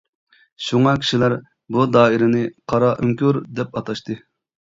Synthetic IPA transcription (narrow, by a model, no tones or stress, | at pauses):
ʃuŋɑkʲʰi̥ʃilæɾ | bud̪ɑːiɾɪnɪqʰɑɾɑʔyŋkʲyɾd̪ɛp̚ɑt̪ʰɑʃt̪ɨ